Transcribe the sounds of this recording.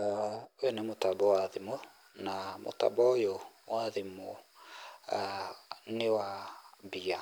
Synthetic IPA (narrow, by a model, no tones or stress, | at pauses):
wenɛmotabɔwaðimo | namo̰ta̰bɔjowaðimo | newabia